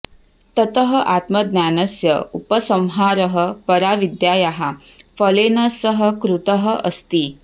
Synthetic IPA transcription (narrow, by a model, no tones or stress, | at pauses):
t̪ɐt̪ɐɦɐʔaːt̪mɐd̪nʲjaːnɐsjɐ̰upɐsɐwɦaːɾɐɦɐ̆pɐɾaːʋid̪jaːjaɦa | fɐleːnɐsɐɦɐ̆kɾut̪ɐɦɐʔɐst̪i